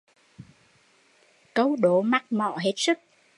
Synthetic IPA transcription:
kə˧wɗo˨˦ma˦˥k̚mɔ̰˧˨ɦe˦˥t̚sɨ˦˥k̚

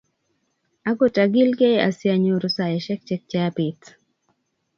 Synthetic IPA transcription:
a˦ɡo˨ta˨ɡɪ˦lke˦ʔa̰˨sja˨ɲo˨ɾʊ˦sa˨jɛ˨ʃɛ˦k̚t͡ʃɛ˦k̚t͡ʃa˦a˦pɪ˨t

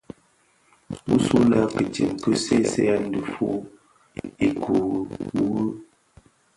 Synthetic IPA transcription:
u˦su˦la˦kə˨ti˨mkə˦se˦˨˦se˦a˦n̩˦də˨fu˦ | i˨kʰu˨wu˦

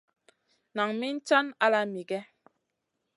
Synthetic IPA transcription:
na˨ŋmi˦n̩˦t͡ʃa˦na˦la˦mi˨ɡɛ˦

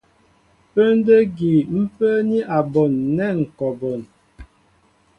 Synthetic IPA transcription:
pə˦n˦də˦ɡi˨m̩˦pə˦ni˦ʔa˨bɔ˨nːɛ˦˨ŋ̩˨kɔ˨bɔ˨n

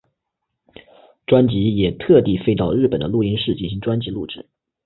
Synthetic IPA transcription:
ʈ͡ʂwa˥nt͡ɕi˧˥jɛ˨˩t̪ʰɤ˥˧t̪i˥˩fe˥ɪt̪ɑ˥˧ʊɻɻ̩˥˩pə˨˩nd̪ə˦lu˥˩i˥nʂɻ̩˥˧t͡ɕi˥˩nɕi˧˥ŋʈ͡ʂwa˥nt͡ɕi˧˥lu˥˩ʈ͡ʂɻ̩˥˩˦

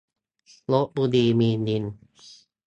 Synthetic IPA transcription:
lo˦˥ʔ̚bu˧diː˧miː˧ndi˧n

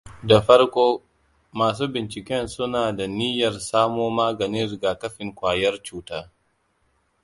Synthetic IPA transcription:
da˨ɸɐ˦ɾkʷoː˦ | maː˨s̬uː˦bɪ˨nt͡ʃɪ˨kʲɛ˦nsʊ˦naː˨da˨nɪ˦jɐ˨rsaː˦moː˦maː˦ɡɐ˨nɪ˦nɾɪ˨ɡaː˨kɐ˦ɸɪ˨ŋkʷaː˨jɐ˦rt͡ʃuː˦taː˦

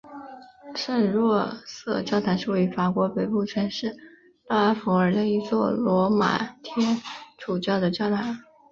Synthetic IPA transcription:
ʂə˥˧nɻwɔ˥˧sɤ˥˩t͡ɕjɑ˥ʊt̪ʰa˧˥nʂu˧˩we˥˩y˥fa˨˩kwɔ˧˥pe˨˩ɪpu˥˩t͡ɕʰɥɛ˥nʂɻ̩˥˩˧ | t̪a˥˩a˥fu˧˥ə˞˨˩d̪ə˧i˧˥t͡swɔ˥˩lwɔ˧˥ma̰˨˩t̪ʰjɛ˥ʈ͡ʂʰu˨˩t͡ɕjɑ˥˩ʊd̪ə˩t͡ɕjɑ˥ʊt̪ʰa˧˥n

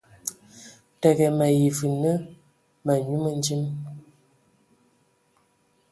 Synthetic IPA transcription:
tɛ˨ɣɛ˨mə˨ji˨fɨ˨nə˦ | mə˨ɲu˦mə˦n˦d͡ʒi˦m

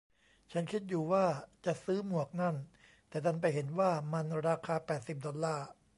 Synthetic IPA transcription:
t͡ɕʰa˦˥nkʰi˦˥t̪̚juː˨˩waː˥˩t͡ɕa˨˩ʔsɯː˦˥mu˨˩ək̚na˥˩n | t̪ɛː˨˩t̪ʰa˧˥˩np̬a˧jɦe˩˦nwaː˥˩ma˧nɾaː˧kʰaː˧pɛː˨˩t̪̚si˨˩p̚dɔ˧llaː˥˩

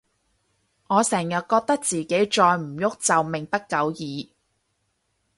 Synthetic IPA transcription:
ŋɔː˨˧sɛː˨˩ŋjɐ˨t̚kɔː˧k̚t̪ɐ˥k̚t͡siː˨ke˨˥jt͡ʃɔː˧jm̩˨˩jʊ˥k̚t͡sɐ˨wmɪ˨˩ŋpɐ˥t̚kɐ˨˥wjiː˨˧

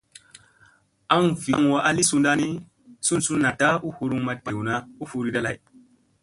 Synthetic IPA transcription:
a˦ŋvi˨˦ŋ˨wa˦ʔa˦li˦su˧nda˦ni˦ | su˦nsu˦nːa˨ta˦u˦hu˧ɾu˦ŋma˨t̚k͡pa˨wu˨na˦u˦fu˨˧ɾi˦da˦la̰˨j

